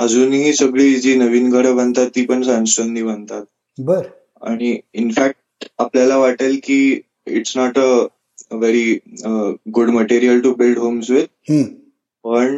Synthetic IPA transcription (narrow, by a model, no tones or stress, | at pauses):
əd͡zuːnɦiːsəɡɭiːid͡ʑiːnəʋiːnkəɽəʋə̃nt̪at̪ːiːpəɳsãnsənd̪iːʋənt̪at̪̚ | bəɾ | a̰ɽ̃iinfæk̚ʈapljalaʋaʈelkiː | ḭʈsnɔʈə | ʋeɾiəɡuɖməʈiɾiəlʈubilɖɦomsʋet̪̚ɦũ | pəɳ